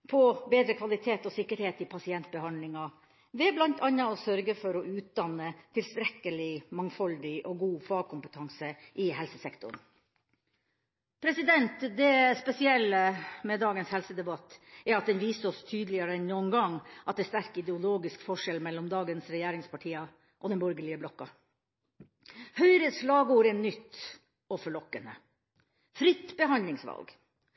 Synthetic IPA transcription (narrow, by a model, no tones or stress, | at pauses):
pʰɔbeːd̪ɾəkʰʋɑlɪt̪ʰeːt̪ɔsɪkːəɾheːt̪ɪpʰɑsɪɛnt̪̚bəhɑnlɪŋɑ | ʋɛblɑnt̪ʰɑnːɑɔsœɾɡəfɔɾɔʉːt̪̚d̪ɑnːət̪ʰɪlst̪ɾɛkːəlɪmɑŋfɔld̪ɪʔɔɡuːfɑːɡ̚kʰʊmpət̪ʰɑŋsəʔɪhɛlsəsɛkt̪ʊ̰ɳ | pʰɾɛsɪd̪ɛnt̪d̪ɛspɛsɪɛlːəmɛd̪ɑːɡənshɛlsəd̪ɛbɑt̪ːɛɾɑt̪̚d̪ɛnʋiːsəɔst̪ʰyːd̪əlɪəɾəɛnnuːənɡɑŋːʔɑt̪̚d̪ɛːst̪æɾkɪd̪ɛʊloːɡɪskfɔʂɛlmɛlːɔmd̪ɑːɡənsɾɛjæːɾɪŋspʰɑʈʰiːɑ | ʔɔd̪ɛnbœɾɡəɭɪəblɔkːɑ | hœʏɾəsɭɑːɡuːɾɛnːʏt̪ː | ɔfɔɭɔkːənə̰ | fɾɪt̪ːbəɦɑnd̪lɪŋsʋɑ̰lɡ